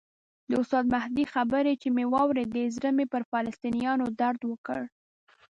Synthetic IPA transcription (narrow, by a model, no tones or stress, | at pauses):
d̪əʊst̪ɑd̪mahd̪ixabəɾet͡ʃemewɑwɾed̪əzɾəmepəɾfɑlast̪inijɑnod̪aɾd̪wəkə̰ɽ